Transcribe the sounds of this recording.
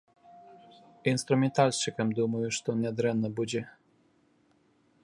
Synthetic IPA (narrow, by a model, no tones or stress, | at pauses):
inst̪ɾumʲɛnt̪alʲst͡ʃɘkʲɛmd̪umujuʂt̪ɔnʲɛd̪ɾɛnːɔbud͡ʑi